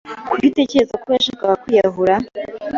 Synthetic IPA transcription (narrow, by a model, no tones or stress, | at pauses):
kuite̞ːceɾe̞zakojaʃaːkaβakwijaɦuɾa